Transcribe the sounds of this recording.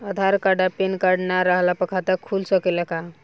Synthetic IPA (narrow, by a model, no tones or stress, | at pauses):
əd̪ʱaɾkaɖapenkaɾɖnaɾəɦlapəkʰat̪əkʰulsəkeləka